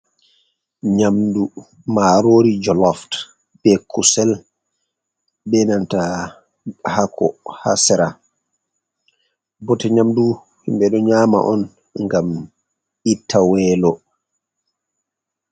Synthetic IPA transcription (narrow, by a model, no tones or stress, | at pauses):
ɲamdu | maɾoɾid͡ʒɔlɔft | b̥ɛkʰusɛl | ɓɛnanta | hakʰːɔ̰ha̰sɛɾa | bɔtɛɲamdu | himbɛɗɔɲaːma̰ʔɔn | ŋɡam | itʰːawɛːlɔ